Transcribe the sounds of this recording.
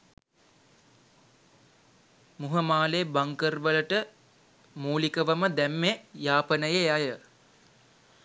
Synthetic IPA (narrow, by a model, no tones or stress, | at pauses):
muɦəmaːlebaŋkərbələʈə | muːlikəʋəməd̪æmːejaːpənəjeajə